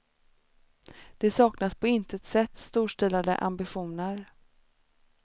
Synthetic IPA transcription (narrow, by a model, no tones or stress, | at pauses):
d̪̥ɛsɑːknaspʰɔɪnt̪ət̪sɛt̪ːst̪uːʂʈɛlad̪ə̰ʔa̰mbɪɧuːnəɾ